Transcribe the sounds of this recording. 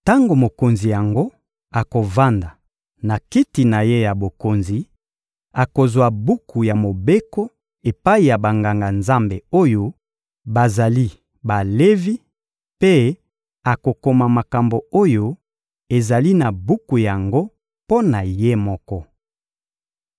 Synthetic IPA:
ta˦ŋɡo˨mo˨ko˨nzi˨ja˨ŋɡo˦ | a˨ko˨va˦nda˨ | na˨ki˦ti˨na˨je˦ja˨bo˨ko˨nzi˨ | a˨ko˨zwa˨bu˦ku˨ja˨mo˨be˦ko˦ | e˨pa˦i˨ja˨ba˨ŋɡa˨ŋɡa˨nza˦mbe˨o˦jo˦ | ba˨za˨li˦ | ba˨le˦vi˦ | pe˦ | a˨ko˨ko˨ma˨ma˨ka˨mbo˨o˦jo˦ | e˨za˨li˦na˨bu˦ku˨ja˨ŋɡo˦ | po˦na˨je˦mɔ˦kɔ˦

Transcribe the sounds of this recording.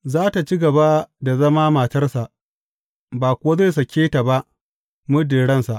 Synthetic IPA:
zaː˦ta˨t͡ʃi˦ɡɐ˨ba˦da˨zɐ˦maː˦ma˨tɐ˦rsa˨ʔ | baː˨kʷʊ˨wa˦ze˦˨s̬ɐ˨kʲeː˦ta˨ba˦ʔ | mʊ˦dɪ˨ɽɐ˦nsa˨ʔ

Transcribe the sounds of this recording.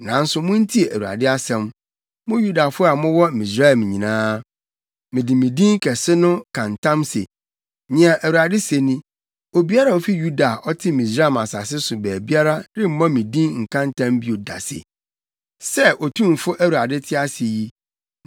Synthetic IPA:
nã˨˦n̩˦sʊ˦mʊ̃˦n̩˦tʰi˦e˨ʔæ˨u˨a̰˨dɪ˦a˦sɛ̃˨m | mʊ̃˦ju˦da˨fʊ˦a˨mʊ̃˦wɔ˦mĩ˨sɾa˦˨m̃˨ɲĩ˨nãː˦ | mɪ̃˨dɪ˨mĩ˨dĩ˦ŋ˦kʰɛ˨sɪ˦nʊ̃˦kʰã˨n˨tʰã˦msḛ˨ | nɪ̃˨ã˨ʔæ˨wu˨a˨dɪ˦se˨nĩ˦ | o˨bi˦a˦ɾa˦˨o˦fi˦ju˦da˨ʔɔ˦tʰɪ˦mĩ˨sɾa˦˨ma˨sa˨sɪ˦sʊ˨bæː˨bi˦a˦ɾa˦dɪ˦m̩˦mã˦mĩ˨dĩ˦ŋ̩˨kʰã˦n˦tʰã˦mbi˦o˨da̰˨sḛ˨ | sɛ˦ʔo˨tʰũ˦˨m˨fʊ˦ʔæ˦wu˨a˨dɪ˦tʰɪ˦a˦sɪ˨ji˦

